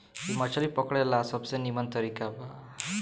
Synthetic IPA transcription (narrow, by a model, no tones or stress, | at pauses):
imat͡ʃalipɔkɽɛlasɔbsenimənt̪əɾikaba